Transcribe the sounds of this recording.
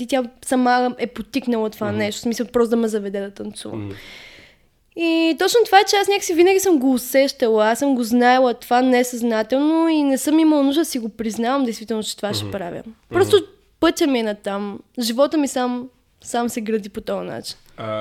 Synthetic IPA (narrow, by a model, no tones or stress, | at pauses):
it̪ʲjasɐmaɛpot̪iknɐlˠət̪ovanɛʃt̪o̥smisəlˠpɾɔst̪od̪ɐmɛzɐvɛd̪ɛd̪ɐt̪ɐnt̪sṵvə̰m | it̪ɔt͡ʃnot̪ovaɛt͡ʃɛasnʲakə̥sivinəɡʲisəmɡoːsɛʃt̪əlˠəasɤmɡoznaɛlˠət̪ovanɛsɐznat̪ɛlˠnoinɛsɤmiməlˠɐnuʒd̪əd̪ɐsiɡopɾiznavɐmd̪ɛjst̪vit̪ɛlˠnot͡ʃɛ̥t̪ovaʃɛpɾa̰vʲə̰pɾɔst̪o | pɤt̪ʲəminɐt̪amʒivɔt̪əmisam | samsɛɡɾɐd̪ipot̪ɔɐna̰t͡ʃi̥n